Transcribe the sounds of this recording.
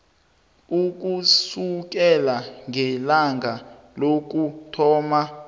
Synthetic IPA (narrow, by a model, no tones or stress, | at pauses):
uk̬ʼusuk̬ɛlaŋʱɛlaŋɡʱa | lok̬ʼutʰɔːma